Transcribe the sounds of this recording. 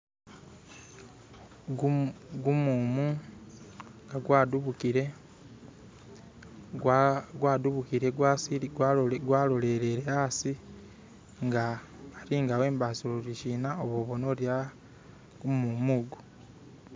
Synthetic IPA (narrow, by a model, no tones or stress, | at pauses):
ɡumuːmu | ŋɡaɡwaduβukiɾe | ɡwaːduβukiɾeɡasiɡwaɡwaːlo̞le̞ɾe̞ɾeasi | ŋɡaː | ɾiŋɡawe̞ːmbasoloɾiʃiːnaoβoːβono̞lja | ɡumumuɡu